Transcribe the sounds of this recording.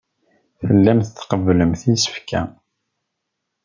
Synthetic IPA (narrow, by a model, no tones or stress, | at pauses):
θəlːæmθəθqəvːləmθisə̥fkæ̰